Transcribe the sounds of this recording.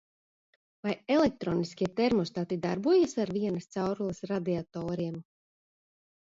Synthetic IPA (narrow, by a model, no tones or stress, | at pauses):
vajelɛk̚t̪ɾoːniskʲiɛt̪ɛɾmɔst̪aːt̪id̪a̰ɾbuɔjasaɾvʲiɛnast̪sawɾulˠɨsɾad̪iat̪ɔːɾiɛm